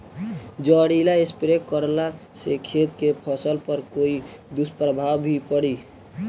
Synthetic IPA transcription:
d͡ʒəɽilaespɾekkːəɾla | sekʰet̪kepʰəsəlpəɾkoid̪uspɾəbʱawbʱipəɽi

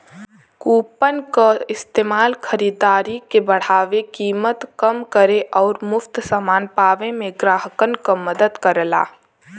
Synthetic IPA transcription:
kuːpənkaɪst̪eːmaːlkʰəɾiːd̪aːɾikebəɽ̤aːʋekiːmət̪kəmkəɾeʔɔːɾmʊft̪samaːnpaːʋemẽɡɾaːɦəkənkaməd̪əd̪kəɾəla̰ː

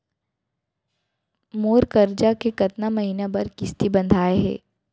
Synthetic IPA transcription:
moːɾkɐɾd͡ʒakekɐt̪namɐɦiːnabɐɾkɪst̪ibɐ̃nd̪ʱaːeɦɛ̰ː

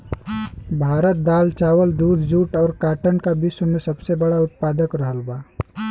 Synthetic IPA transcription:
bʱaːɾət̪̚d̪aːlt͡ʃaːwəld̪uːd̪ʱd͡ʒuːʈɔːɾkaːʈəɳkabɪsmẽsɐbsebɐɽaʊt̪̚paːd̪əkɾəɦəlbaː

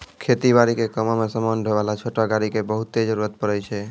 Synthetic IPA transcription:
kʰet̪ibaɾikekəmomesəmanɖʱeʋalat͡ʃʰoʈaɡaɽikebəɦut̪ːed͡ʒəɾuɾət̪̚pəɾɛt͡ʃʰɛ

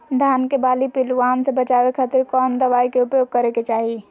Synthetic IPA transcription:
d̪ʱaːnkebaːlipɪluaːnsebət͡ʃaːwekʰaːt̪ɪɾkɔːnd̪əʋaːikeʊpjoːɡ̚kəɾeket͡ʃaːɦi

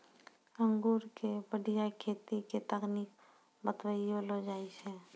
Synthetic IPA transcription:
ə̃ŋɡuːɾkebəɖijakʰeːt̪iket̪əknik̚ | bət̪ʋəiolod͡ʒaːiʃɛ̃ː

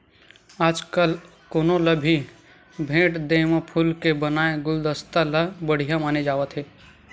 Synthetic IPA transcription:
aːd͡ʒkəl | koːnoləbʱi | bʱẽːʈd̪eːməpʰʊlkebɐnaːeɡʊld̪əst̪alabəɽ̤ijamaːned͡ʒaːʋət̪ɦeː

